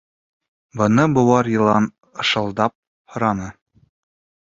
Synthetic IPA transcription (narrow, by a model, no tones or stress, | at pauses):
bɤ̆nɤbŏwɑɾjɤ̆lˠɑn | ɤ̆ʃɤ̆lˠd̪ɑp̚ | hŏɾɑnɤ